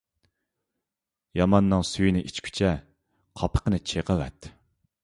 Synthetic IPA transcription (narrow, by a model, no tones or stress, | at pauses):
jɑmɑnːɨŋsyjinɪʔit͡ʃkʲʰy̥t͡ʃʰɛ | qʰɑpʰə̥qʰənɨt͡ʃʰeqəwɛ̰t̪